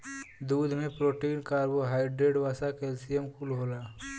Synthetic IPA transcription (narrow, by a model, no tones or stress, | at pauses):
d̪uːd̪ʱmẽpɾoːʈiːnkaːɾboɦaːɪɖɾeɖʋaːsakelsijəmkulɦoːlaː